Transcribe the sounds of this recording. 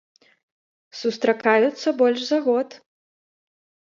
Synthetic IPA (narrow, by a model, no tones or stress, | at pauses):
sust̪ɾakajut̪sːɐbɔlʲʂzaɣɔt̪